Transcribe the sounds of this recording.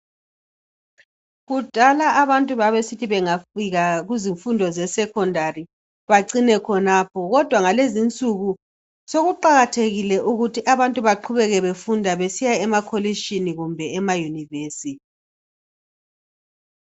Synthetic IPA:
ɣud̥ʱalaʔːβantʼuβaβesitʰiβɛŋafiɣaɣuziɱfundʱɔzɛsɛkʰɔndʱari | βaǀinɛkʰɔnaːpʰɔɣɔd̥ʱwaŋalezint͡sʼuɣu | soɣuǃaɣatʰeɣilɛʔuɣutʰiʔaβantʼuβaǃʰuβɛɣɛβefundʱaβesijaɛmakʰoliʃiniɣumbʱɛɛmajuniveːsiti

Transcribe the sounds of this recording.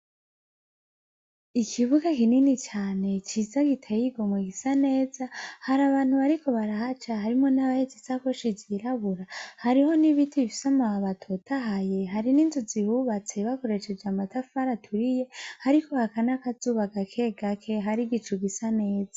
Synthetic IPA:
ikʰiβuɡakininit͡ʃaːne̞t͡ʃizaɡitʰejiɡo̞mweɡisane̞ːzahaɾaβaːn̥huβaɾikʰo̞βaɾahat͡ʃahaɾimŋonaβahezisakoʃiziɾaβuɾahaɾiho̞niβitʰiβifi̥samaaβatʰotʰaɦaje̞ɦaɾininzuzihuβat͡se̞βako̞ɾe̞ʃe̞d͡ʒamatafaɾatʰuɾije̞haɾikʰo̞hakanakazuβaɡakʰe̞ɡakʰe̞ɦaɾiɡit͡ʃuɡisane̞ːza

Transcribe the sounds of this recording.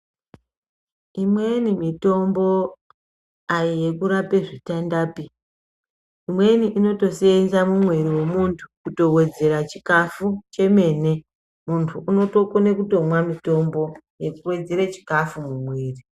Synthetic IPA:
imwe̞nimito̞mbo | ajije̞kuɾape̞ʐitandaːpi | imwe̞niʔino̞to̞seenzamumweɾiwe̞muntʰu̥kuto̞we̞d͡ze̞ɾat͡ʃikafut͡ʃe̞me̞ne̞ | muntʰuʔuno̞to̞kone̞kuto̞mwamito̞mbo̞ | je̞kuwe̞d͡ze̞ɾet͡ʃi̥kafumumweːri

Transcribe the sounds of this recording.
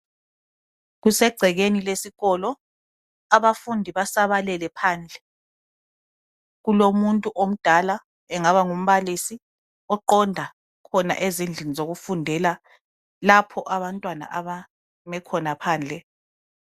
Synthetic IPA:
ɣusɛɡ͡ǀʱɛɣenilesiɣɔlɔ | aβafundʱiβasaβalɛlɛpʰaːnd͡ɮʱɛ | ɣulomuntʼuʔom̩d̥ʱala | ɛŋaβaŋum̩βalisi | ɔǃɔndʱa | kʰɔna̰ʔezind͡ɮʱinizoɣufundʱɛla | lapʰɔʔaβantʼwana̰ʔaβa | mɛkʰɔnapʰaːnd͡ɮʱɛ

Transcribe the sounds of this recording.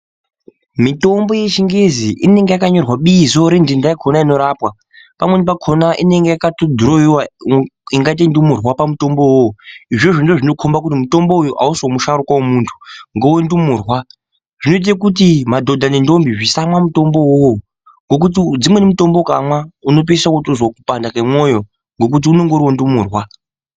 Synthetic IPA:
mito̞mbo̞jet͡ʃiŋɡeziʔine̞ŋɡejakaɲo̞rwaɓiːzo̞ɾendindaikʰonaino̞ɾaːpwa | pamwe̞nip̬akʰonaʔineŋɡejakatodʱuɾoiwaiŋɡait̬endumurwapamuto̞mbowoiʐe̞ʐindoʐino̞kʰombak̬ut̬imuto̞mboujuʔa̰usomuʃaɾukwaomuntʰu̥ŋɡowendumuːrwa | ʐ̥ino̞it̬akut̬imadʱo̞dʱanendombiʐisamwamuto̞mbo̞wowo | ŋɡo̞k̬ut̬id͡zimwe̞nemuto̞mboka̰mwauno̞p̬isakotozwakupandakamwojo | ŋɡo̞k̬ut̬iuno̞ŋɡoɾwondumuːrwa

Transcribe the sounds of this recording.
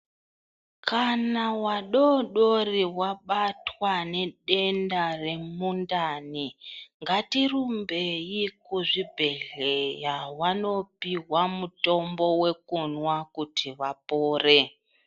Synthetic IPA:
kʰanawaɗoɗoriwaɓatwane̞ɗe̞ndare̞mundaniŋɡatirumbejikuʐibʱe̞ɮejawano̞piɦwamuto̞mbo̞we̞kunwakutʰiʋapoːre

